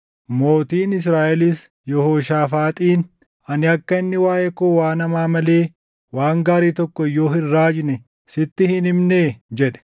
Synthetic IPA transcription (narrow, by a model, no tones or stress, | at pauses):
mo̞ːt̪iːnɪs̬ɾaːʔɛlɪs | jɔhoːʃaːfaːt̪ʼiːn | ɐnɪɐkːɐɪnːɪwaːʔɛkʊwaːnɐmaːmɐleː | waːŋɡaːɾiːt̪ɔkːɔɪjːo̞ːhɪrːaːd͡ʒnɛ | sɪt̪ːɪhɪnɪmneːd͡ʒɛᶑɛ̥